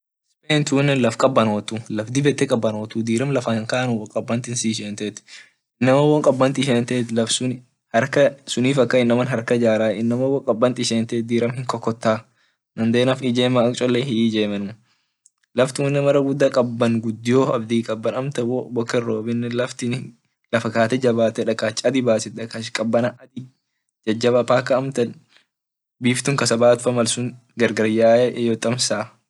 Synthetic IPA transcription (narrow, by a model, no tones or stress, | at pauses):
speːnt̪uːnːɛlɐfkʼɐbːɐnoːt̪ulɐfd̪ɪbɛt̪ːɛkʼɐbːɐnoːt̪uːd̪iːɾɐmlɐfɐŋkaːnʊwkʼɐbːɐnt̪ɪnsiːʃeːnt̪et̪ | ɪnːɐmɐwɔŋkʼɐbːɐnt̪ɪʃeːnt̪eːt̪lɐfsʊn | hɐɾkɐsʊniːfɐkːɐɪnːɐmɐnɦɐɾkɐd͡ʒaːɾaːɪnːɐmɐwːɔŋkʼɐbːɐnt̪ɪʃeːnt̪eːd̪iːɾɐmhɪŋkɔkːɔt̪ːaː | nɐnd̪eːnɐfɪd͡ʒeːmaɐkʼt͡ʃʼɔlːeɦɪd͡ʒeːmɐn | lɐft̪ɪʊnːɛmɐɾɐɡʊd̪ːɐkʼɐbːɐŋɡʊd̪ːɪjoɐbd̪iːkʼɐbːɐnɐmt̪ɐwobɔkːɐrːoːbɪnːɛlɐft̪ɪn | lɐfɐkaːt̪ɛd͡ʒɐbaːt̪ɛᶑɐkaːt͡ʃʼːɐd̪ɪbaːsɪᶑ̪ɐkaʃkʼɐbːɐnɐʔɐd̪ɪ | d͡ʒɐd͡ʒːɐbɐpaːkːɐːmt̪ɐn | biːft̪ʊŋkɐsɐbaːt̪ʊfɐmɐlsʊŋ | ɡɐɾɡɐɾjaːʔɛʔjɔt̪ʼɐmsaː